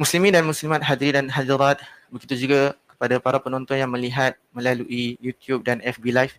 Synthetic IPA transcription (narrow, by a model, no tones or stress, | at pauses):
muslimĩdanmuslimat̪̚ɦad̪ɾidanɦadiɾat̪̚bəɡit̪ud͡ʒuɡakə̥padapaɾapənɔnt̪ɔnjaŋmə̃liɦat̪̚mə̃laluʔijut̪jup̚danɛfbilajf